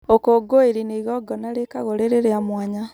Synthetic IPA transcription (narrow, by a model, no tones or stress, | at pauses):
okoɡoeɾineiɣɔɡɔnaɾekaɣoɾeɾeɾeamwaɲa